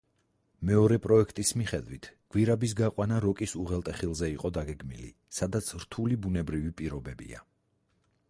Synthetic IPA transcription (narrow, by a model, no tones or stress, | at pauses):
mɛɔɾɛpʼɾɔɛkʰt̪ʼismiχɛd̪vwit̪ʰɡ̥wiɾabis̬ɡaqʼwanaɾɔkʼisuʁɛlˠt̪ʼɛχilˠzɛiqʼɔd̪aɡɛɡmilḭ | sad̪at̪sʰɾt̪ʰulibunɛbɾivipʼiɾɔbɛbḭa̰